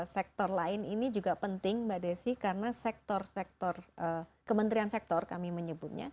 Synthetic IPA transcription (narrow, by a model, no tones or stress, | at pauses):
sɛk̚t̪ɔrlaɪninid͡ʒuɡapənt̪ɪŋbadasɪhkarənasɛk̚t̪ɔrsɛk̚t̪ɔrʔəkəmənt̪ɾiansɛk̚t̪ɔrkamiməɲəbʊt̪̚ɲa̰